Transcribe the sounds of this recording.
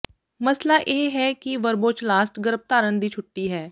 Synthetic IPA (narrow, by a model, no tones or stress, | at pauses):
məslaːʔeːɦɛːkiʋəɾboːt͡ʃlaːsʈɡəɾəb̚t̪aːɾənd̪iːt͡ʃʰʊʈːiːɦɛː